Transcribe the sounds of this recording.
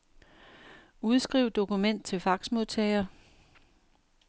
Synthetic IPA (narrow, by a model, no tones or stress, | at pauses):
uð̞ˠsɡ̥ʁiʊd̥o̝kumen̰d̥̚t͡sʰe̝lfɑ̈ɡ̥smo̝ðˠt͡sʰɛɪɐ